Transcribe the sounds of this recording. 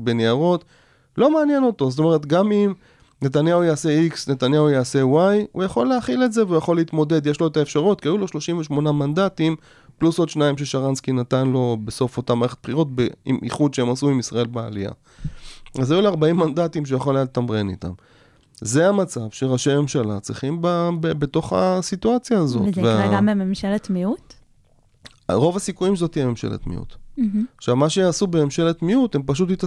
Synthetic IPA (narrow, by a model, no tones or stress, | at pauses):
be̞neaʁo̞t | lo̞meaːnje̞no̞to̞zot̪̬o̞me̞ʁe̞t̪ɡamim | ne̞t̬anjaujaːse̞iksne̞tanjaujaːse̞wajujaχo̞lːeaχiletze̞veujaχo̞leit̪mo̞d̪e̞d̪jeʃlo̞etaefʃaʁutkiajulo̞ʃlo̞ʃimveʃmo̞namandatim | pluso̞d̪ʃnaimʃ̬e̞ʃaʁanskinatanlo̞beso̞fotamaːʁeχet̚pχiʁo̞t̚beimʔḭχud̪ʃeemasuimisʁae̞lbea̰lija̰ | azajuleaʁbaimːandatimʃ̬ejaχolejatltamʁenḭt̪a̰m | zeamat͡savʃeʁaʃeme̞mʃalat͡sʁiχimbabebeto̞χa̰sit̪uat͡sjaːzo̞̰veaɡabememʃalet̪miut | ʁo̞vasikujimzo̞t̪ijeme̞mʃḛlḛt̪mḭʔṵt̪χʃavmaʃeasubememʃelet̪miute̞mpaʃ̬utit̪a